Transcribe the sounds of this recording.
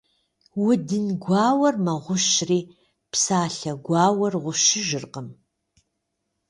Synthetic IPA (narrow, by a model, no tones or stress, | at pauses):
wʊdɨnɡʷɑːwɐrmɐʁʷʊʃriː | psaːɬɐɡʷɑːwɐrʁʷʊʃɪʒɨrqəm